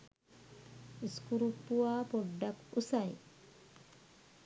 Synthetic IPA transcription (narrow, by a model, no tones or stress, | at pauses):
skuɾupːuaːpɔɖːakusaj